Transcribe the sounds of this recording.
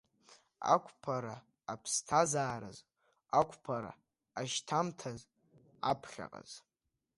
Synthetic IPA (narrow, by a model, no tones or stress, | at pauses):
a̰kʷʰʼpʰaɾaː | pʰstʰazaːɾɨ̰z | akʷʰʼpʰaɾa̰ | aʃtʰamtʰaz | apʰχʲa̰qʼa̰z̥